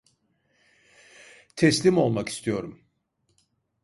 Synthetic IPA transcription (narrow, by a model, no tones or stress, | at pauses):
t̪ʰɛslʲimo̞lˠmaki̥st̪ʰijo̞ɾum